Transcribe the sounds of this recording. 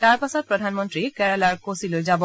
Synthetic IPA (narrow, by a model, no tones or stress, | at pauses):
taɹpasɔt̚pɹɔdʱanmɔntɹikɛɹɛlaɹkosilojzabɔ